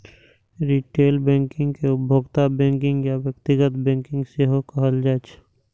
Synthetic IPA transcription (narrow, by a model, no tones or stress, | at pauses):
ɾiʈeːlbɛ̃ːŋkɪ̃ŋɡkeʊbʱoɡt̪abɛ̃ːŋkɪ̃ŋɡjaʋjəkt̪ɪɡət̪bɛ̃ːŋkɪ̃ŋɡseɦokəɦəld͡ʒaːt͡ʃ